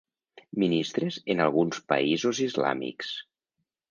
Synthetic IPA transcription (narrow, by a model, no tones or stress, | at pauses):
minist̪ɾezenalˠɣunspa̰izozizla̰mḭks